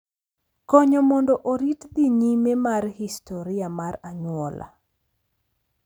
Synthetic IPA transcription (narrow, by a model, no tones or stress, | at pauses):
kɔɲɔmɔndɔʔoɾitd̪iɲimemarhistɔɾɪamaraɲwɔla̰